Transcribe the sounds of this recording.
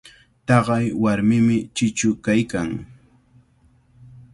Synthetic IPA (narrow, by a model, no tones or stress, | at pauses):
t̪ɑɢɑjwaɾmɪmɪt͡ʃɪt͡ʃʊkajkaŋ